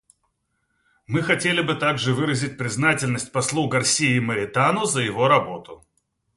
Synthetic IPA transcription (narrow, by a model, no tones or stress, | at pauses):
mɨxɐtʲelʲɪbɨt̪aɡʐɨvɨɾəzʲɪt̚ʲpɾʲɪznatʲɪlʲnəsʲtʲpɐslˠuɡɐrsʲijɪməɾʲɪt̪anʊzəjɪvo̞ɾɐbo̞t̪ʊ